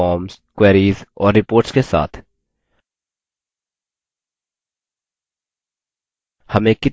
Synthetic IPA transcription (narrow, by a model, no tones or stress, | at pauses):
ɔːmskwɛɾiːzɔːɾːɪpoːɾʈskesa̰ːt̪ʰ | həmekɪ